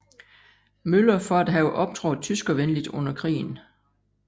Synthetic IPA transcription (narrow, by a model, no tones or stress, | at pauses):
mølɐfɒ̽æd̥ɦɛʊʔɒ̽b̥̚t͡sʰʁɒʊð̩ˠt͡sʰysɡ̥ɒ̽ʋenlid̥ɔ̽n̰ɐkʰʁḭːn̩